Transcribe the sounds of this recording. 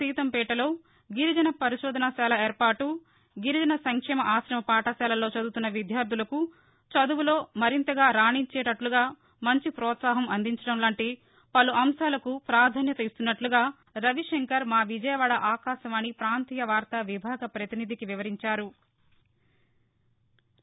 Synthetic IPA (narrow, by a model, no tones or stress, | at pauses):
iːt̪ɐmpɛːʈɐlo̞ː | ɡiɾid͡ʒɐnɐpɐɾiʃɔːd̪ʱɐnɐʃaːlɐeːɾpaːʈu | ɡiɾid͡ʒɐnɐsɐŋkʂɛːmɐʔaːʃɾɐmɐpaːʈɐʃaːlɐlo̞ːt͡ʃɐd̪ut̪unːɐʋid̪ʱjaːɾd̪ʱulɐku | t͡ʃɐd̪uʋulo̞ːmɐɾint̪ɐɡaːɾaːɳiɲt͡ʃɛːʈɐʈluɡaː | mɐɲt͡ʃipɾɔːt̪saːɦɐmɐnd̪iɲt͡ʃɐɽɐmlaːɳʈi | pɐluʔɐmʃaːlɐkupɾaːɾd̪ʱaːnjɐt̪ɐist̪unːɐʈluɡaː | ɾɐʋiʂeŋkɐɾmaːʋid͡ʒɐjɐʋaːɽɐʔaːkaːʃɐmɐnipɾaːnt̪iːjɐʋaːɾt̪ɐʋibʱaːɡɐpɾɐt̪inid̪ʱikiʋiʋɐɾiɲt͡ʃaːɾu